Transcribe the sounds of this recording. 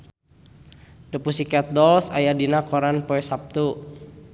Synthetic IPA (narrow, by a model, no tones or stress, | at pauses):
dəpusikɛt̪̚dɔlsajadinakɔɾanpɔɛsap̚t̪u